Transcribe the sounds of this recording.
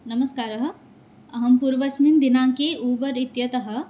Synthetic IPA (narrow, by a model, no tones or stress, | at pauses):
nɐməskaːɾɐɦə̆ | ɐɦɐmpuːɾʋɐsmind̪ɪnãːkeʔuːpəɾɪt̪jɐt̪ɐɦə̆